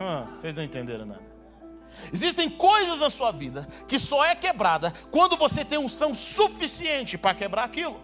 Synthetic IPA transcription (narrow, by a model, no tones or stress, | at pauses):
hɐ̃sejznɐ̃w̃ẽt̪ẽnd̪ḛɾɐ̃w̃na̰d̪ɐ | ɪzist̪ẽj̃kojzɐznɐsuɐvid̪ɐkɪsɔɛkebɾad̪ɐkwɐ̃nd̪ʊvoset̪ẽj̃ũsɐ̃w̃sufisiẽnt͡ʃɪpɾɐkebɾaɾakilʊ